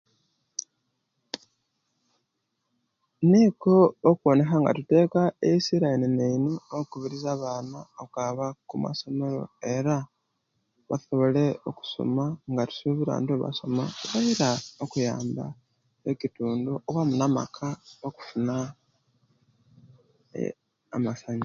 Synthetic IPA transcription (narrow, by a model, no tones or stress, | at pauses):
niko̞ːkwo̞ne̞xaŋɡa̰tute̞ːkaeisiɾainineinookuβiɾizaβaːnaokaβakuma̰so̞me̞ɾo̞̰e̞ɾa | βa̰so̞βo̞le̞o̞ku̥so̰maŋɡatu̥suβiɾa̰ntuβa̰so̞maβajiɾaokuja̰ːmba̰ | ecituːnduʔowamunama̰kʰaoku̥funa | masaɲi